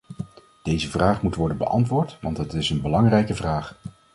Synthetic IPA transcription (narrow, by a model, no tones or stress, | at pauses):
d̥ejzəvraːχmutʋɔɹdənbə̰ʔɑ̰ntʋʊːɹtʋɑntɦətɪsənbəlɑŋrɛjkəvraːχ